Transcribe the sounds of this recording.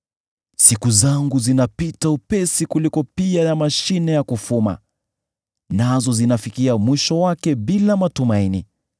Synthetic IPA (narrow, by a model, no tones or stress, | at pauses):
sikuzaŋɡuzinapitaupɛsikulikɔpiajamaʃinɛjakufuma̰ | nazɔzinafikiamwiʃɔwakɛbilamatumaini